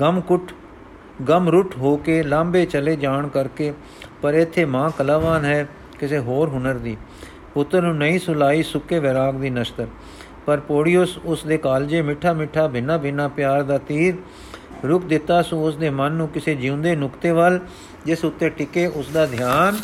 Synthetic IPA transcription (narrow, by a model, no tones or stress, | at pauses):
ɡəmkʊʈʰ | ɡəmɾʊʈʰɦoːkeːlãːmbeːt͡ʃəleːd͡ʒaːɳkəɾkeː | pəɾɪt̪ʰːeːmãːkəlaːʋaːnɦɛː | kɪseːɦoːɾɦʊnəɾd̪iː | pʊt̪ːəɾnũːnəĩːsʊlaːiːsʊkːeːʋɪɾaːɡd̪iːnəʃt̪əɾ | pəɾpoːɽiʊsʊsd̪eːkaːld͡ʒeːmɪʈʰːaːmɪʈʰːaːbɪnaːbɪnaːpjaːɾd̪aːt̪iːɾ | ɾʊk̚d̪ɪt̪ːaːsõːʊsd̪eːmənːũːkɪseːd͡ʒiʊ̃nd̪eːnʊkt̪eːʋəl | d͡ʒɪsʊt̪ːeːʈɪkeːʔʊsd̪aːd̪ʱɪjaːn